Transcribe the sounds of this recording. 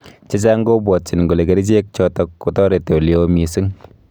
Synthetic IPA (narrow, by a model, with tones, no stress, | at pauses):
t͡ʃe˦t͡ʃa˦ŋ˦ɡo˦bwɔ˨t̚t͡ʃi˨nŋɡo˨le˨ke˨ɾi˦t͡ʃe˦k̚t͡ʃɔ˦tɔ˦kːo˦tɔ˦ɾe˨te˨ljo˦mi˨sɨ˦ŋ